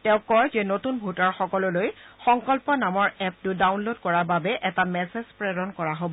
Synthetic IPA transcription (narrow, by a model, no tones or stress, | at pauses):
tɛ̃ʊ̃kɔɹzenotunbʱutaɹxɔkɔlɔlojxɔŋkɔlpɔnamɔɹɛp̚tʊdawnlod̚kɔɹababɛʔɛtamɛsezpɹɛɹɔnkɔɹaɦobɔ